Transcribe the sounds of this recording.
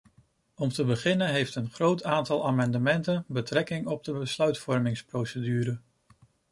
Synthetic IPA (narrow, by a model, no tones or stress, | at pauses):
ɔmtəbəχɪnənɦejftənχrowtaːntɑlˠaːmɑndəmɛntənbətrɛkɪŋɔb̚dəbəslœɥtfɔɹmɪŋsprowsədyːɾə